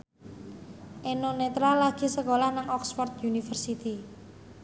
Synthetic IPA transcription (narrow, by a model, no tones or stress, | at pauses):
ʔenonet̪ɾalaɡ̥i̤səkolahnaŋɔksfɔrt̪̚junifərsit̪i